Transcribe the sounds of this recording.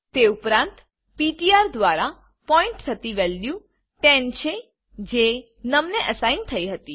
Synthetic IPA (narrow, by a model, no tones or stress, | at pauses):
t̪eupɾãnt̪ | piʈiaɾd̪ʋaɾa | pɔĩɳʈt̪ʰət̪iʋɛljũ | ʈɛ̃nt͡ʃʰe | d͡ʒe | nəmneʔəsaint̪ʰəiɦət̪i